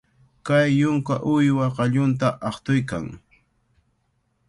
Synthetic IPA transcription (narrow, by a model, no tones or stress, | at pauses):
kajːʊŋkaʔʊjwaqɑʎʊnt̪aʔɑχt̪ʊjka̰ŋ